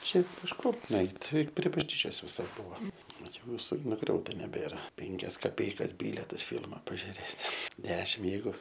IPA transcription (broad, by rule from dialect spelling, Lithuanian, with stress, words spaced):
ˈʃʲɛɪp pʲɪʃˈkoːm nʊˈɛɪtʲ ˈtʲɪ pʲrʲiɛ bɐʒʲˈnʲiːt͡ʃʲoːs ʋʲɪˈsɐɪ ˈbʊɐ ʋɐt ˈjɛʊ ʋʲɪˈsɐɪ nʊˈɡrʲɛʊtɐ nʲɛˈbʲeːrɐ ˈpʲɛŋʲkʲɛs kɐˈpʲɛɪkɐs ˈbʲiːlʲɛtɐs ˈfʲɪlˠmɐ pɐʒʲʊˈrʲeːtʲ ˈdʲæːʃʲɪm ˈjɛɪɡʊ